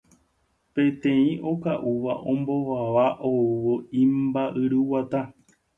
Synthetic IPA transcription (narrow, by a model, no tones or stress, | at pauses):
pẽ̞t̪ẽĩʔo̞kaʔuʋaʔõ̞mbo̞ʋaʋaʔouʋo̞ĩmbaʔɨɾɨwat̪a